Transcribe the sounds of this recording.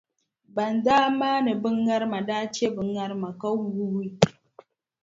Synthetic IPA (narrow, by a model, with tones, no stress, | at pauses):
ba˨ndaː˦maː˦ne˨bɨ˦ŋɡa˦ɾma˨daː˦t͡ʃe˦bɨ˨˦ŋɡa˦ɾma˨ka˦wu˦wu˦wi˦